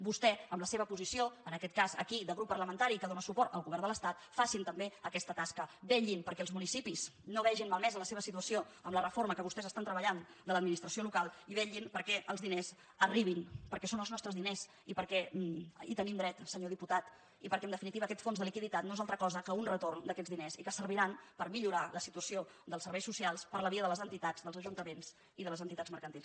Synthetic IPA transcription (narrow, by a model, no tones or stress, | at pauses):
bust̪ɛəmləseβ̞əpuzisioənəkɛt̪̚kazə̰kiðəɣɾupːərləmənt̪aɾikəðonəsupɔrt̪ə̰lˠɣuβɛrnd̪ələst̪at̪fasint̪əmbeəkɛst̪ət̪askəbɛʎinpəɾkɛəlˠzmunisipiznoβɛʒinmalˠmɛzənləseβəsit̪uəsio | əmlərəfoɾməkəβust̪ɛzəst̪ant̪ɾəβəʎand̪ələd̪minist̪ɾəsiolukalˠiβɛʎinpəɾkɛʔə̰lˠzðinez | əriβ̞inpəɾkɛsonəlˠznɔst̪ɾəzðinez | ipəɾkɛit̪ənimd̪ɾɛt̪səɲoðiput̪at̪ | ipəɾkɛənd̪əfinit̪iβəːkɛt̪fonzðəlikiðit̪at̪noezalˠt̪ɾəkɔzəkəunrət̪ornd̪əkɛdd͡zðinezikəsəɾβiɾanpəɾmiʎuɾaləsit̪uəsio | d̪əlˠsəɾβɛjsusialˠspəɾləβiəðələzənt̪it̪azðəlˠzəʒunt̪əmenz | iðələzənt̪it̪ad͡zməɾkənt̪ilˠs